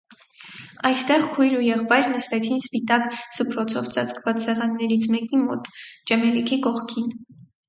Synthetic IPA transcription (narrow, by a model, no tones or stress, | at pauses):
ɑjst̪ɛʁkʰujɾujɛʁpɑjɾnəst̪ɛt͡sʰinspit̪ɑksəpʰɾɔt͡sʰɔvt͡sɑt͡skvɑt͡ssɛʁɑnːɛɾit͡sʰmɛkimɔ̰t̪d͡ʒɛmɛlikʰikɔχkʰin